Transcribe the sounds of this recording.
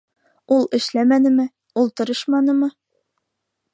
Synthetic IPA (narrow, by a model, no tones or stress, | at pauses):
ulˠɘ̆ʃlæmænɘ̆mɘ | ulˠt̪ŏɾɤʃmɑnɤmɤ